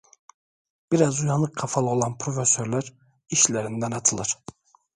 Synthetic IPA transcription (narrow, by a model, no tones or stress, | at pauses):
b̥iɾazujɑnˠɯkʰːafalˠɯo̞lˠanpʰɾo̞fesøɾlʲæɾ | iʃlʲeɾind̪ænɑt̪ʰɯlˠɯɾ̥